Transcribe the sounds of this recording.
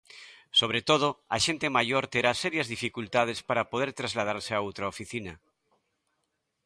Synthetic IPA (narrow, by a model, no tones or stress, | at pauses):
soβ̞ɾet̪oð̞oaʃent̪emaʝoɾt̪eɾaseɾjazðifikult̪að̞espaɾapoðeɾt̪ɾazlað̞aɾseaot̪ɾaofiθina